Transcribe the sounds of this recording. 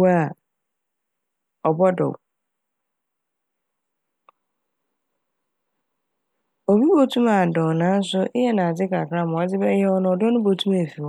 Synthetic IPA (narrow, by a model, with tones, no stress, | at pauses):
a˦˨ | ɔ˨bɔ˦dɔ̰˨w | o˨bi˦bo˨tʰũ˦ma˨dɔ̃˨nãː˨˦n˦sʊ˦ʔɪ˦jɛ˦nã˨a˨d͡zɪ˦ka˨kɾa˦˨m˨ɔ˨˦d͡zɪ˦bɛ˦jɛ˦ɔ˦nʊ̃˨ɔ˨dɔ˦nʊ̃˦bo˨tʰũ˦me˨fi˨ɔ˨